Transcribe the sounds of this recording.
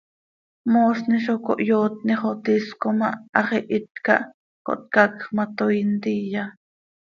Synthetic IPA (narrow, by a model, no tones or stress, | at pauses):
moːsniʃoko̰ʔjoːt̪̚niχot̪iskomɑʔɑχiʔit̪̚kɑ̰ʔ | ko̰ʔt̪̚kɑkχmɑt̪ojnt̪ija